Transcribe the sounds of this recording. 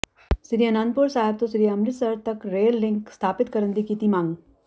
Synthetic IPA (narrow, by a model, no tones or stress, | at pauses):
sɪɾiɐnãːnd̪̚pʊɾsaːɦɪb̚t̪osɪɾiɐmɾɪsɐɾt̪ɐkɾeːlːɪ̃ŋkst̪ʰaːpɪt̪kɐɾə̃nd̪ikiːt̪imãːŋɡ